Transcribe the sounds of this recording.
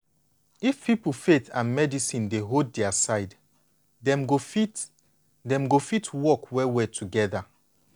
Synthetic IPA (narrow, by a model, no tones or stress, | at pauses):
ifpipulfetãnmɛdisĩndeɦod̚dɛasaɪd | dɛ̃mɡofit | dɛ̃mɡofitʰwɔkwɛwɛtʰuɡɛða